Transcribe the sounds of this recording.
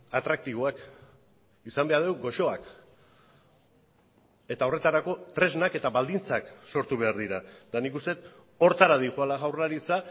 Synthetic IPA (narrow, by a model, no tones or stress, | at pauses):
at̪ɾak̚t̪iβ̞oak | isambe̞aɾðe̞wɡo̞ʃo̞ak | e̞t̪ao̞re̞t̪aɾako̞t̪ɾe̞znake̞t̪aβald̪int͡sakso̞ɾt̪uβ̞e̞aɾðiɾad̪anikust̪e̞t̪ | o̞ɾt̪aɾað̞iʝualaɣawraɾit͡sa